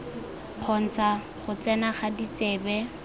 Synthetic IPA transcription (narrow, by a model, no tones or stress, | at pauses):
q͡χʰɔn̩t͡sa | χʊt͡sɛnaχadit͡seːbɛ